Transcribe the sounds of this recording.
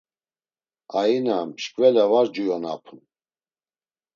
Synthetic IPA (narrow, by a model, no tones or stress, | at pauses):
ainamʃkʼvɛlɛvaɾd͡ʒujɔna̰pʰun